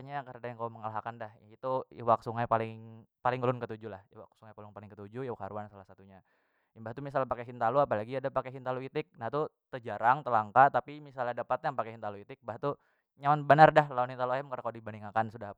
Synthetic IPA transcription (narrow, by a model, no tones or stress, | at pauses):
aɲakəɾadajaŋkauməŋalaɦakandahit̪uiwaksuŋajpalɪŋpalɪŋəlʊnkət̪ud͡ʒulahwa̰ksuŋajpalʊnpalɪŋkət̪ud͡ʒujawakhaɾuansalahsat̪uɲa | imbaht̪umisalpakeɦint̪aluapalaɡiadapakeɦint̪aluit̪ɪk̚nat̪ut̪əd͡ʒaɾaŋt̪əlaŋkat̪apimisalɲadapat̪jaŋpakeɦint̪aluit̪ɪk̚mbaht̪u | ɲamanbənardahlanhint̪aluaɛmkarnakaudibaniŋakansuda